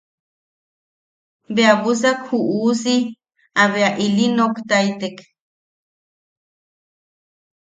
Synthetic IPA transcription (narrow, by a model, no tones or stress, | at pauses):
beaβus̬akhuʔusi | aβeaʔilinokt̪ait̪ek